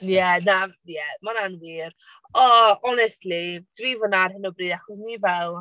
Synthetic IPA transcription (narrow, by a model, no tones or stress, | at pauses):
jɛnajɛmananwiːr | ɔɔnɛstlid̥wivɔnarhɪnɔbriːdaχɔs̬nivɛlˠ